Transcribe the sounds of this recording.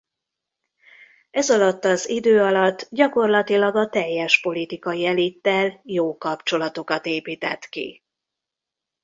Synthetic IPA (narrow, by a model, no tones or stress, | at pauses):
ɛzɒlɒt̪ːɒzid̪øːɒlɒt̪ːɟɒko̞rlɒt̪ilɒɡɒt̪ɛjːɛʃpo̞lit̪ikɒiɛlit̪ːɛljoːkɒpt͡ʃo̞lɒt̪o̞kɒt̪eːpiːt̪ɛ̰t̪kḭ